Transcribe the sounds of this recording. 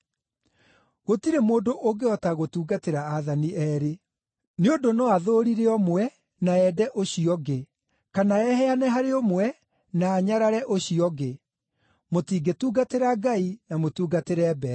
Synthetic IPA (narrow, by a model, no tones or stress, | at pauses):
ɣotiɾemoːdoʔoɡeɔtaɣotuːɡateɾaːðaniɛɾe | neondonɔaðoɾiɾeɔmwɛ | naɛdɛʔoɕiɔɡe | kanaɛhɛanɛɦaɾeomwɛ | naːɲaɾaɾɛʔoɕiɔɣe | motiːɡetuːɡateɾaɡainamotuːɡateɾɛbɛ